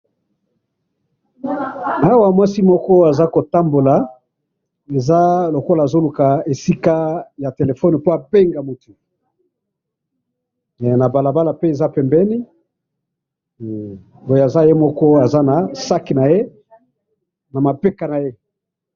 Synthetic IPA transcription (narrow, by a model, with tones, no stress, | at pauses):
a˦wa˨mwa˦si˦mɔ˦kɔ˦a˨za˦ko˨ta˦mbo˨la˨ | e˨za˦lo˨ko˦laː˨zo˦lu˨ka˨e˨si˦ka˦ja˨te˨le˨fɔ˦n˨po˦a˨be˦ŋɡa˨mu˨tu˨ | na˨ba˨la˨ba˦la˨pe˦e˨za˦pɛ˨mbɛ˦ni˦ | bo˨ja˨za˦je˦mɔ˦kɔ˦a˨za˦na˨sa˦ki˨na˨je˦ | na˨ma˨pe˦ka˨na˨je˦